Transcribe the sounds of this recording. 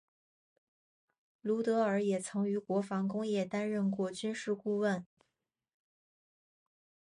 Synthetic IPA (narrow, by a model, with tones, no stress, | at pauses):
lu˧˥t̪ɤ˧˥ə˞˧˥jɛ˨˩t͡sʰɤ˧˥ŋy˧˥kwɔ˧˥fɑ˧˥ŋkʊ˥ŋjɛ˥˩t̪a˥nɻə˥˧nkwɔ˥˩t͡ɕy˥nʂɻ̩˥˧ku˥˧wə˥˩n